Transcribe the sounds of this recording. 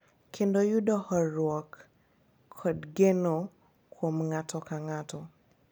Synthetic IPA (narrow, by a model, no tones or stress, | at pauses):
kʰendojudɔhɔɾwɔkʰː | ɔdɡeno | kʰwomŋatʰɔkaŋatɔ